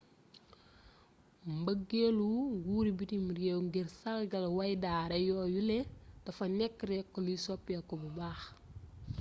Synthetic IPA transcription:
mbəɡeluɡuːɾibitimuɾjɛwŋɡirsɐlɡɐlɐwɐjdaːɾɛjɔːjulɛtɐfɐnɛkːɾɛkːɔlusɔpːjɐkɔbubaːx

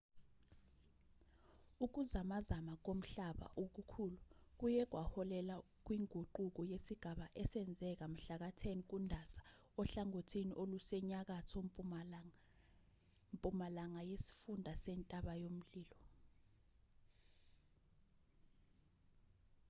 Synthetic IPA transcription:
uk̬uzamazamak̬om̩ɬaɓa̰ʔok̬ukʰuluk̬ujɛk̬wahɔlɛla | k̬wiŋʱuǃuk̬ɔjesiɡ̥ʱaɓaʔɛsɛnd͡zʱɛk̬am̩ɬak̬atʰɛnk̬ʼundʱasḁ | ɔɬaŋotʰiniʔolusɛɲak̬atʰɔ | mpʼumalaŋajesi̥fundʱasɛntʼaɓajom̩liːlɔ

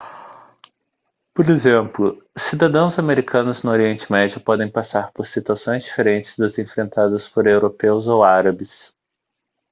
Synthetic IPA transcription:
poɾezẽplʊsid̪ad̪ɐ̃w̃zameɾikʰɐ̃nʊznʊoɾiẽnt͡ʃɪmɛd͡ʒɐpɔd̪ẽj̃pasaɾpoɾsit̪uasõj̃zd͡ʒifeɾẽnt͡ʃɪ̥zd̪ɐzẽfɾẽnt̪ad̪ɐspoɾewɾopewzowaɾɐbɪs

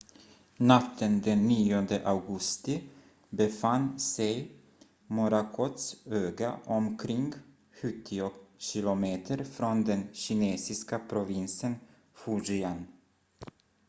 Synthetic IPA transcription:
nat̪ʰːənd̪ɛnːiːɔnd̪əʔaɡɵst̪ɪ | bɛfanːsɛj | mɔɾakʰɔt̪søːɡaʔɔmkʰɾɪŋɡ | ɧɵt̪ʰːɪɔɕɪlʊmeːt̪ʰəɾfɾɔnd̪ɛnɕɪneːsɪskapʰɾʊvɪnsən | fuʒɪan

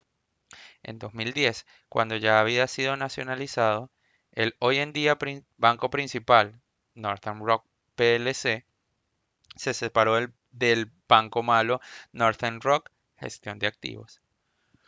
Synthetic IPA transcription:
e̞̰nd̪o̞zmild̪je̞s | kwa̰nd̪o̞ʝaːβ̞iasiðo̞nasjo̞nalisað̞o̞ | e̞lo̞je̞nd̪iapɾ | baŋko̞pɾinsipal | no̞ɾθenrok̚ | pelese | se̞se̞paɾo̞ | d̪e̞lb̥aŋko̞malo̞noɾθenrok | xe̞̰st̪jo̞nd̪eak̚t̪ḭβo̞̰s

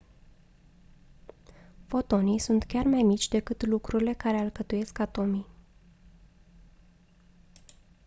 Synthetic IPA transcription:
fo̞t̪o̞nisunt̪kʲarmajmit͡ʃʲd̪e̞kɨt̪lukɾuɾile̞kaɾe̞ɨlkət̪uje̞skat̪o̞mi

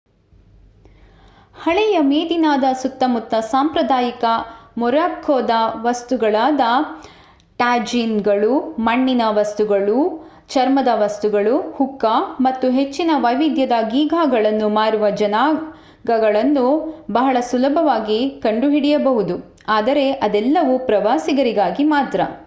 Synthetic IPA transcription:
hɐɭɛjɐmeːd̪inaːd̪ɐsut̪ːɐmut̪ːɐsaːmpɾɐd̪aːjikɐmɔɾaːkʰːoːd̪ɐʋɐst̪uɡɐɭaːd̪ɐ | ʈaːd͡ʒinɡɐɭumɐɳːinɐʋɐst̪uɡɐɭu | t͡ʃɐɾmɐd̪ɐʋɐst̪uɡɐɭuhukːɐmɐt̪ːuɦe̞t͡ʃːinɐʋɐjʋid̪jɐd̪ɐɡiːɡʱaːɡɐɭɐnːumaːɾuʋɐd͡ʒɐnaː | ɡɐɡɐɭɐnːubɐɦɐɭɐsulɐbʱɐʋaːɡikɐɳɖuɦiɽɛjɐbɐɦud̪u | aːd̪ɐɾe̞ʔɐd̪ɛlːɐʋupɾɐʋaːsiɡɐɾiɡaːɡimaːt̪ɾɐ̰

